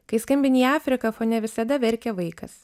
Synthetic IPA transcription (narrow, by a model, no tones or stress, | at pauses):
kɐɪskɐmʲbʲɪnʲiːaːfʲɾʲɪkɐfoːnʲɛʋʲɪsɐd̪ɐʋʲɛɾʲkʲɛʋɐɪkɐs